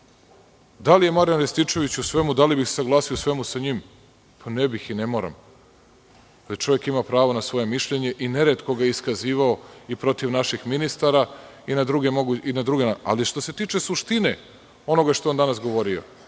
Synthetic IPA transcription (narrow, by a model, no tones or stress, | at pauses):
d̪alije̞maɾjanɾest̪it͡ʃe̞ʋit͡ɕusʋe̞mud̪alibixsesaɡlˠaːsiosʋe̞musaɲim | pʰanebixinemo̞ɾa̰m | alit͡ʃo̞ʋje̞kimapɾaːʋo̞nasʋo̞je̞miʃʎe̞ɲe̞ʔineɾet̪ko̞ɡajeiskaziːʋao̞ipɾo̞t̪iʋnaʃixminist̪aɾa | inad̪ɾuɡe̞moɡuinad̪ɾuɡenaa̰liʃt̪o̞se̞t̪iːt͡ʃe̞suʃt̪ine̞ | o̞no̞ɡaʃt̪ond̪anasɡo̞ʋo̞ɾio̞̰